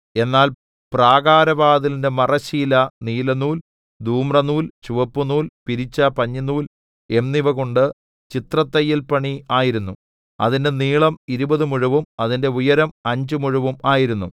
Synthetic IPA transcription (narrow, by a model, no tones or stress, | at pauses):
e̞nːaːl | praːɣaːɾɐʋaːðilinde̞mɐrɐɕiːlɐniːlɐnuːl | d̪ʱuːmrɐnuːlt͡ɕuʋɐpːunuːlpiɾit͡ɕːɐpɐɲːɐnuːl | e̞mniʋɐɣoɳɖɨ | t͡ɕit̪rɐt̪ːɐjːilpɐɳiaːjiɾunːu | ɐ̰ðinde̞niːɭɐmiɾubɐðɨmuɻuʋumɐðinde̞ujɐɾɐmɐɲd͡ʑumuɻuʋumaːjiɾunːu